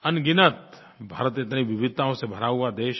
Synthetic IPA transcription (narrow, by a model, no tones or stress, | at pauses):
ɐnɡɪnət̪ | bʱa̰ːɾət̪ɪt̪niʋɪʋɪd̪̚t̪ãõsebʱɐɾaːɦuad̪eːʃ